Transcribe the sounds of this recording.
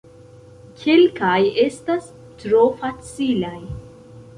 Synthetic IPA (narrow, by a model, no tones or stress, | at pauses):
kʰelkajestas | tɾofat͡silaj